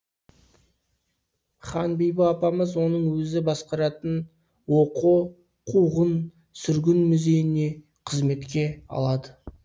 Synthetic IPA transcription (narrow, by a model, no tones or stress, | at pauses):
χɑnbijbɪɑpɑməzwo̞nəɴwɵzɪbɑsqɑɾɑt̪ən | wo̞qu | qʰuʁən | sʏɾɡʲɪnmʏze̞jɪne̞ | qʰəzme̞t̪kʲe̞ɑ̰lˠɑd̪ə